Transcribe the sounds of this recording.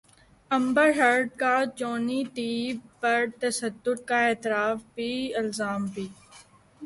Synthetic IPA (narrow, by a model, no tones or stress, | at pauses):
ɐ̃mbəɾɦəɾɖ̚kat͡ʃoːnit̪iːbpɐɾt̪ɐsəd̪ːʊt̪̚kaeːt̪ɪɾaːfbʱiːɪlzaːmbʱiː